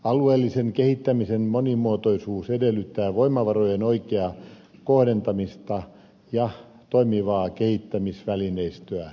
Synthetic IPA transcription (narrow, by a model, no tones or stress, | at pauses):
ɑlueːlːiseŋkehit̪ːæmisenmonimuot̪oisuːsedelːˑyt̪ːæːʋoimɑʋɑrojenoikeɑ | kohɾent̪ɑmist̪ɑ | jɑ | t̪oimiʋɑːkehit̪ːæmisʋælineist̪øæ